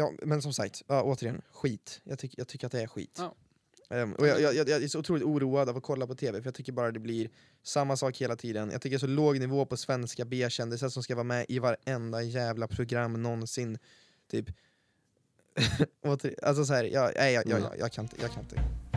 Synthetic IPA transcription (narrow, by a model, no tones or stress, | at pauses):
jɑ̰ːmɛnsɔmsa̰kt̪ɑːoːt̪əɾɪjɛnɧiːt̪jɑ̰t̪ʰʏkːjɑt̪ʰʏkːɾat̪̚d̪ɛæɾɧḭːt̪ | ɛɔjɑjɑjɑjɑːæʂɔʊt̪ʰɾuːlɪt̪uːɾuːad̪avɔkʰɔlːapɔt̪ʰeːvɛfœɾjɑɡt̪ʏkːəɾbɑːɾad̪ɛblɪɾ | samːasɑːkheːlat̪ʰiːd̪ənjɑ̰ɡt̪ʏkːəɛs̬ɔloːɡnɪvoːpʰɔsvɛnskabeːɕɛnd̪ɪsəsɔmskavɑːmɛʔɪvaɾɛnd̪ajæːvlapʰɾʊɡɾamːnɔnsɪnː | t̪ʰyːp | ʔoːt̪əɾa̰ls̬ɔs̬ɔhæːɾjʔɑ̰ːɛɪjɑjɑ̰ːjɑ̰jʔɑ̰kʰanɪnt̪ə̥jɑ̰ːkʰanɪnt̪ə